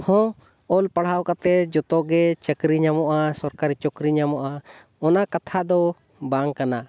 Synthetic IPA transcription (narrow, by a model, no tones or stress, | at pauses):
hɔ̃ | ɔlpaɽ̤aɔkat̪ɛd͡ʒɔt̪ɔɡɛt͡ʃəkɾiɲamɔʔasɔɾkaɾit͡ʃɔkɾiɲamɔʔa | ɔnakat̪ʰaʔd̪ɔ | baŋkana